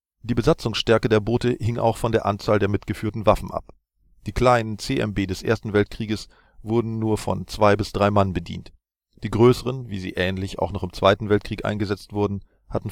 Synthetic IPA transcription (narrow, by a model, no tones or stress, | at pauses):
d̥iːbəzat͡sʊŋsʃtɛɐkədeːɐboːtəhɪŋʔa̰ʊxfɔndeːɐʔa̰nt͡saːldeːɐmɪtɡ̥əfyːɐtn̩vafn̩ʔa̰p | d̥iːkl̥aɪnənt͡seːʔɛ̰mbeːdɛsʔḛːɐstn̩vɛlt̚kʁ̥iːɡəs | v̥ʊɐdn̩nuːɐfɔ̰nt͡sv̥aɪbɪsd̥ʁaɪmanbədḭːnt | d̥iːɡʁøːsəʁənvḭːzḭːʔɛːnlɪça̰ʊxnɔχɪmt͡sv̥aɪtn̩vɛltkʁ̥iːkʔa̰ɪnɡəzɛt͡stv̥ʊɐdn̩ | hatn̩